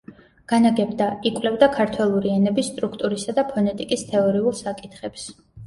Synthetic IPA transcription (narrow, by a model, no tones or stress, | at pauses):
ɡ̥anaɡɛbd̪aikʼwlɛvd̪akʰaɾt̪ʰwɛlˠuɾiɛnɛbisːt̪ʼɾukʰt̪ʼuɾisad̪apʰɔnɛt̪ʼikʼist̪ʰɛɔɾiulˠsakʼit̪ʰχɛps